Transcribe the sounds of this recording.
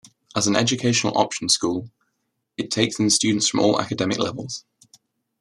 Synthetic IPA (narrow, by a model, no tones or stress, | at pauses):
ʔəzə̃nɛ̰d͡ʒəkʰeɪʃənə̰lˠʔɒ̰pʃə̃nskuːlˠ | ɪtʰeɪksðə̃mst͡ʃʉːdⁿn̩tsfɹə̃mɔːla̰kədɛmɪ̰klɛvəlˠz̥